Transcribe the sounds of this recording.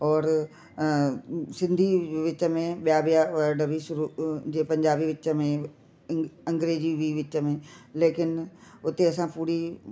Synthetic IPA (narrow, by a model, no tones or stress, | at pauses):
ɔːɾ | sɪ̃nd̪ʱiʋɪt͡ɕə̆mẽɓijabijaʋɐɖɐʋiʃʊɾuːd͡ʑeːpɐ̃ɲd͡ʑaːbiʋɪt͡ɕəmẽ | ɐ̃ŋɡɾeːd͡ʑiʋiʋɪt͡ɕə̆mẽleːkɪnʊt̪eɐs̬ãpuːɾi